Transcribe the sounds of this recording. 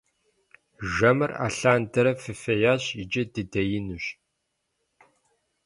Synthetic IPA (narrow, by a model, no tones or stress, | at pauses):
ʒɐmɨra̰ːɬaːndɐɾɐfɨfɐjaːɕɪd͡ʒɐdɨdɐjɪnuɕ